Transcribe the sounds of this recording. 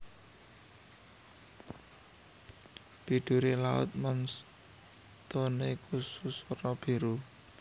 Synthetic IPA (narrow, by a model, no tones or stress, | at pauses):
b̥iɖ̪̥ṳɾelaʊ̰t̪̚mɔns | t̪onekususoɾɔb̥i̤ɾu